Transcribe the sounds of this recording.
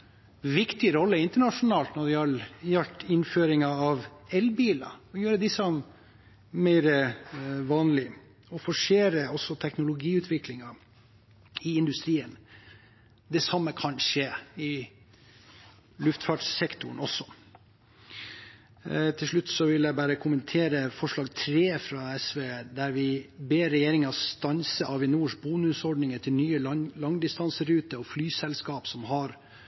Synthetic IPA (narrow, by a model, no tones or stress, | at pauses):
ʋɪkt̪ɪɾɔlːəɪnt̪əɳɑʂʊnɑːlt̪nɔɖɪɑɾjɑlʈ̪ɪnføːɾɪŋɑɑʋɛlbiːlɑ̰ɔjøːɾəd̪ɪsəm | mɛɪɾəʋɑːnlɪ | ɔfɔʂeːɾəɔsːɔt̪ʰɛknʊlʊɡiːʉːt̪ʰʋɪklɪŋɑ | ɪɪnd̪ʉst̪ɾiːən | d̪ɛsɑmːəkʰɑnʂeːɪ | lʉft̪fɑɖsɛkt̪ʊɳɔsːɔ̥ | t̪ʰɪlʂɭʉt̪ːsɔʋɪljæɪbæːɾəkʰʊmənt̪ʰeːɾəfɔʂɭɑːɡt̪ʰɾeːfɾɑɛsʋeːd̪æɾʋɪbeːɾɛjeːɾɪŋɑst̪ɑnsəʔɑʋɪnuːʂbuːnʉsɔɖnɪŋət̪ʰɪlnyːəlɑŋd̪ɪst̪ɑnsəɾʉːt̪əɔflyːsɛlskɑːpsɔmɦɑɾ